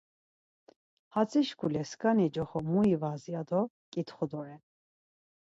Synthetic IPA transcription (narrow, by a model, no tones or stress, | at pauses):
hat͡sʰʼiʃkʰulɛskʼanid͡ʒɔχɔmuivazjad̪ɔ | kʼit̪χɔd̪ɔɾɛn